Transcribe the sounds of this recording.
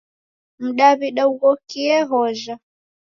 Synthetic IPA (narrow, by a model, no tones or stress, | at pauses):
m̩ɗaβiɗauɣɔkiɛɦɔʒa